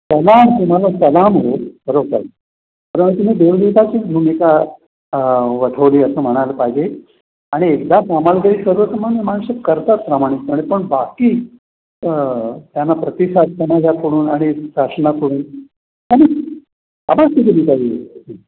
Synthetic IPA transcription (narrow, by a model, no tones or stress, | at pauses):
kəlamt̪um̤alakəlamɦokəɾoka̰l | kəɾə̃t̪um̤iːd̪oɾd̪it̪at͡ɕiːnumika | ʋəʈʰəʋliːəsəːm̤əɽ̃aləpajd͡ʑe | aɽ̃iekd̪asamalɡəɾiːsəɾʋət͡səmanmanɕəkːəɾt̪at̪̚pɾamaɽ̃itaɽ̃ipəɳbakiː | t̪janapɾət̪isad̪̚kənad͡ʑakoɽuːnaɽ̃isaʂnakoɽuːn | t̪ami | a̰bat̪id̪id̪it̪aɦio